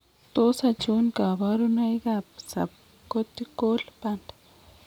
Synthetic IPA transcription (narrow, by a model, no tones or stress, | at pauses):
t̪osat͡ʃunkaβaɾunajɡapsa̰p̚ | kot̪ikolpand̪